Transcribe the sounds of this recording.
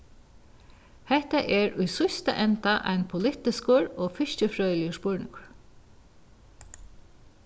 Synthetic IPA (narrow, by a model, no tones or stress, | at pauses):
hɛht̪aʔɛɹʊjsʊst̪a̰ʔɛnt̪aʔa̰jnpʰʊlɪht̪ɪskʊɹɔːfɪʃcəfɹœːlɪjəspʊɹnɪ̰ŋkʊɹ